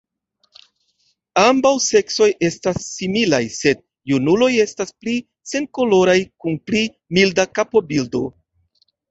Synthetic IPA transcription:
ambawse̞kso̞je̞stasːimilajse̞d̚ | junulo̞je̞staspli | se̞ŋko̞lo̞ɾajkunpli | mildakapo̞bildo̞̰

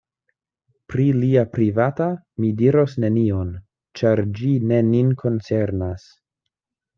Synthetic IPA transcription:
pɾiliapɾivata | midiɾo̞sne̞nion | t͡ʃaɾd͡ʒine̞ninkʰo̞nt͡se̞ɾnas

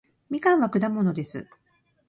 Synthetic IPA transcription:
mʲikãɰ̃βakɯ̟d̪amo̞no̞d̪e̞sɨ̰

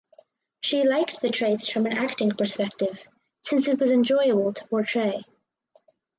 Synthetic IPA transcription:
ʃilaɪkt̪̚ðɨtʰɹ̥eɪtsfɹʌ̃mɨ̃næktɪ̃ŋpʰə˞spɛk̚tɪv̥ | sɪ̃nsɨt̚wʌzɨ̃nd͡ʒɔɪəbəl̩ˠtʰə̥pʰɔɹtʰɹ̥eɪ

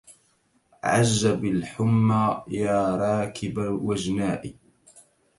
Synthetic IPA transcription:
ʕaʒːabalħʊmːaːjaːɾˤɑːkɪbawad͡ʒnaːʔi

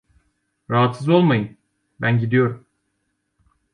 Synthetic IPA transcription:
ɾaɦat̪sɯzo̞lˠmajɯn | bænɟid̪ijo̞ɾum

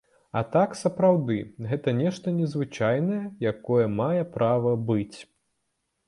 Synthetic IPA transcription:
ɐt̪aksɐpɾawd̪ɨɣɛt̪ɐnʲɛʂt̪ɐnʲɛzvɨt͡ʂajnɐjɛjakɔjɛmajɛpɾavɐbɨt͡sʲ

